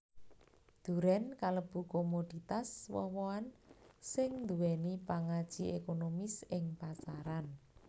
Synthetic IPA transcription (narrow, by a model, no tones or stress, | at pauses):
d̪̥ṳɾɛnkaləb̥ukomod̪̥it̪aswɔ̰woansɪŋnd̪uwɛnipaŋad̥ʒ̥iekonomisɪŋpasaɾan